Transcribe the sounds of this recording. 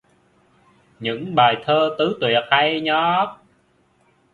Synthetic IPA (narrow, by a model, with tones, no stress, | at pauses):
ɲɨ̰˧˥ŋɓaː˨˩jt̪ʰəː˧t̪ɨ˨˦t̪wi˨˩ət̚ha˧jɲɔ˨˦